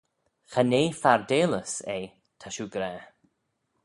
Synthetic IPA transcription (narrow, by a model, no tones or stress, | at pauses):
xaneːfaɹd̪eːləsej | t̪ʰaʃuːɡɾɛː